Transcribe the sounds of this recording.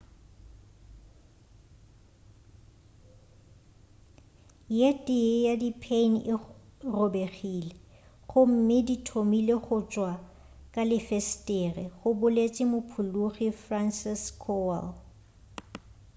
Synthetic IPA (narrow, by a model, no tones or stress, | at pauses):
jetʼɪjadipʰenʔɪrobeχile | χʊm̩mɪditʰomileχʊt͡ʃʼwa | kʼalɪfestʼɛrɛɣʊbʊlet͡ʃʼɪmʊpʰuluχifransɪskʰɔal